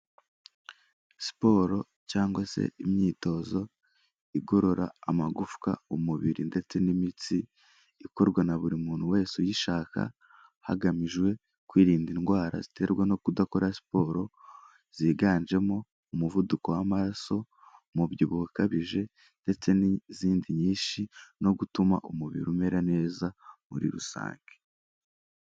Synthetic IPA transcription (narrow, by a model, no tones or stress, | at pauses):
si̥po̞ɾo̞ | caːŋɡwasḛimɲiːto̞zo̞ | iɡo̞ɾo̞ɾaːmaɡufka̰umuβiɾinde̞t͡se̞nimit͡siː | ko̞ɾɡwanaβuɾimuːn̥huwe̞ːsujiʃaːka̰ | ha̰ɡamiʒɡwe̞ | kwiːɾiːndinɡwaːɾa̰zite̞ɾɡweno̞kudako̞ɾʔasi̥po̞ːɾo̞ | z̥iːɡaːnd͡ʒe̞mo̞ | umuvuduko̞wamaɾaso̞ | mubjiβuhukaβiʒe̞ | nde̞t͡se̞niziːndiɲiːʃino̞ɡutumaʔumuβḭɾume̞ɾane̞ːzamṵɾḭɾusa̰ːŋɡe